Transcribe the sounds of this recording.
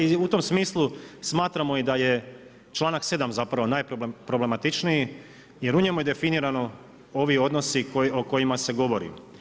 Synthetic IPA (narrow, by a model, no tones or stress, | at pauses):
iut̪o̞msmiːslˠusmaːt̪ɾamo̞id̪aje̞ | t͡ʃlˠaːnakse̞d̪amzapɾaʋo̞naːjppɾo̞ble̞mat̪it͡ʃniji | je̞ɾuɲemojed̪e̞finiɾano̞ | o̞ʋio̞d̪nosioko̞jimase̞ɡo̞ʋo̞ɾḭ